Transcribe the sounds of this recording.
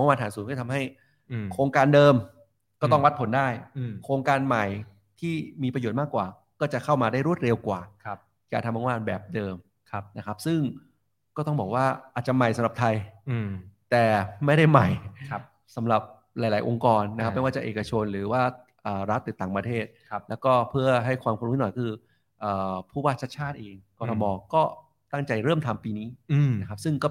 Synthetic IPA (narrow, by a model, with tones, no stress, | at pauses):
a˧ŋwaː˧nʰaː˩˦suː˩˦nkɔː˥˩t̪ʰa˧mɦa˥˩j | kʰɾoː˧ŋkaː˧ndɤː˧m | kɔː˥˩t̪ɔ˥˩ŋwa˦˥t̪̚pʰo˩˦ndaː˥˩jkʰɾoː˧ŋkaː˧nma˨˩j | t̪ʰiː˥˩miː˧pɾa˧joː˨˩t̪̚maː˥˩kːwaː˨˩ | kɔː˥˩t͡ɕa˨˩kʰa˥˩wmaː˧daː˥˩jɾu˥˩ət̪̚ɾe˧wkwaː˨˩ | jaː˨˩t̪ʰa˧ma˧˦ŋwaː˧nbɛː˨˩p̚dɤː˧m˧ | na˦˥kʰa˦˥p̚sɯ˥˩ŋ | kɔː˥˩t̪ɔ˥˩ŋbɔː˨˩k̚waː˥˩ʔaː˨t̪̚t͡ɕa˨˩ma˨˩jsa˨˦mɾa˨˩t̪ʰa˧j | t̪ɛː˨˩ma˥˩jɾa˥˩jma˨˩j | sa˩˦mɾa˨˩p̚ | ɾaː˨˩˦jlaː˩˦jʔo˧ŋkɔː˧nːa˦˥kʰa˥mː˧˥˧waː˥˩t͡ɕa˧˩ʔeː˨˩ka˧t͡ɕʰo˧nɾɯː˩˦waː˥˩ | ʔəː˨˩ɾa˦˥t̪ːiː˨˩t̪aː˨˩ŋpɾa˧t̪ʰeː˥˩t̪̚lɛː˦˥wkɔː˥˩pʰɯ˥˩ɐɦa˥˩jkʰwaː˧mk̪ʰːnɔ˨˩jkkʰɯː˧ | ʔəː˨˩pʰuː˥˩waː˥˩t̪̚t͡ɕ̪̚ʰt͡ɕʰaː˥˩t̪̚ʔeː˧ŋkɔː˧tʰɔ˧mɔː˧kɔː˥˩ | t̪a˥˩ŋt͡ɕa˧jɾɤː˥˩mt̪ʰa˧mpiː˧niː˦˥na˦˥kʰa˦˥p̚sɯ˥˩ŋkɔː˥˩